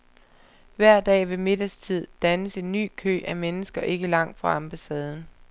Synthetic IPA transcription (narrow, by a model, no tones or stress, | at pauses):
ʋæɐ̰d̥ɛ̰ːʋe̝me̝d̥ɐst͡sʰið̞̰ˠd̥ænəse̝nːy̰ːkʰø̰ːʔæmenəsɡ̥ɐʔe̝ɡ̥əlɑ̈ŋ̰d̥fɒɑ̈mb̥æsɛːð̞ˠn̩